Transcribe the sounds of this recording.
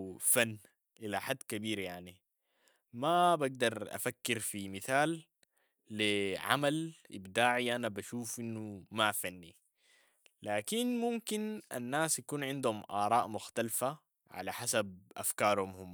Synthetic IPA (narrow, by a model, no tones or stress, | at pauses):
fanː | ʔilaħad̪ːkabiːɾjaʕni | mabaɡ̚d̪ɑɾˤʔa̰fakːɪɾfimiθaːlː | iʕa̰malʔɪ̰bd̪aːʕiʔanabaʃuːfʔinːumafanːi | laːkinmumkinʔa̰nːaːsjakuːnʕɪnd̪humʔɑːɾˤɑːʔmʊxt̪alfa | ʕa̰laħasab̚ʔa̰fkɑːɾˤhumhumː